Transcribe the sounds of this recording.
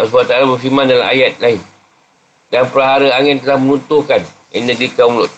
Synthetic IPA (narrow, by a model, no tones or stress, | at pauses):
asbat̪alabərfiɾmãndala̰ma̰jat̪̚laɪn | danpəɾaɦaɾəaŋɪnt̪əlahmənunt̪ukan | ɛnəɡɾikauŋlʊt̪̚